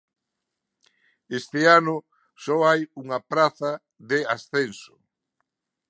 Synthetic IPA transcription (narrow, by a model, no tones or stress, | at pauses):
est̪ɪanʊ | sɔajuŋɐpɾaθɐ | ðeasθensʊ̥